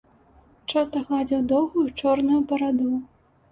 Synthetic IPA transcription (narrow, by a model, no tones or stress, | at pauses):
t͡ʂast̪ɐɣlˠad͡zʲiwd̪ɔwɣujut͡ʂɔrnujupɐɾad̪u